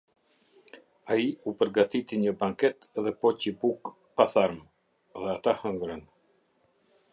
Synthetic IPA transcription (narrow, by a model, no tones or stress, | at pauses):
aiupəɾɡat̪it̪iɲəbaŋkɛt̪ɛðɛpɔcibuk | paθaɾm | ðɛat̪ahəŋɡɾən